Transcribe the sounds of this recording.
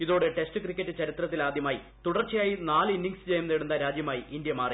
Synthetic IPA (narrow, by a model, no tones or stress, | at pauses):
iðo̞ːɽe̞ʈe̞stɨkrikʲːɐtːɨt͡ɕɐɾit̪rɐt̪̬ːilaːd̪ʱjɐmaːji | t̪uɽɐrt͡ɕːɐjaːjinaːlinːiŋɡsd͡ʑejumneɽunːɐɾaːd͡ʑjɐmaːjiʔind̪jɐmaːri